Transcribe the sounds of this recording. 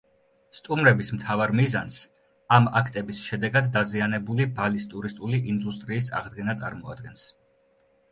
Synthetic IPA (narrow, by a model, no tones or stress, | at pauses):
st̪ʼumɾɛbismt̪ʰavaɾmizans | amakʰt̪ʼɛbisʃɛd̪ɛɡad̪ːazianɛbulibalist̪ʼuɾist̪ʼuliʔind̪ust̪ʼɾiːsa̰ʁd̪ɡɛnat̪sʼa̰ɾmɔa̰d̪̚ɡɛns